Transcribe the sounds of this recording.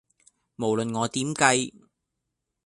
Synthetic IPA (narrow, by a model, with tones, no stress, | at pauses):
mo˨˩wlɵ˨nŋɔː˨˧t̪iː˨˥mkɐ˧j